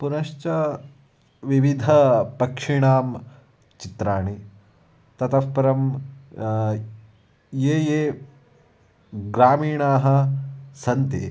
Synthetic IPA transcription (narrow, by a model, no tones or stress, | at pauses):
punɐʃt͡ʃɐ | ʋiʋid̪ʱɐpɐkʂiɳaːm | t͡ʃit̪ɾaːɳi | t̪ɐt̪ɐspɐɾɐm | jeːjeː | ɡɾaːmiːɳaːɦɐsɐnt̪ḛ